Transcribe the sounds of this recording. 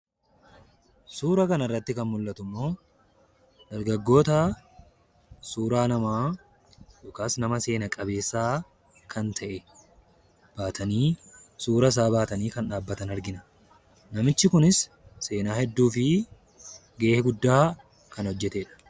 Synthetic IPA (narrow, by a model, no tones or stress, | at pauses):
suːɾɐkɐnɐrːɐt̪ːɪkɐnmʊlːɐt̪ʊmːo̞ː | d̪̥ɐɾɡɐɡːo̞ːt̪ɐ | suːɾaːnɐmaː | dʊkaːsnɐmɐse̞ːnɐkʼɐbe̞ːsːaː | kʰɐnt̪ʰɐʔɛ | b̥aːt̪ʰɐniːsuːɾɐs̬aːbaːt̪ɐniːkɐnᶑaːbːɐt̪ɐnɐɾɡɪnɐ̥ | nɐmɪt͡ʃːɪkʊnɪsː | e̞ːnaːhɛd̪ːuːfɪ | ɡeːhɡʊd̪ːaː | kɐnhɔd͡ʒːɛt̪eᶑɐ̥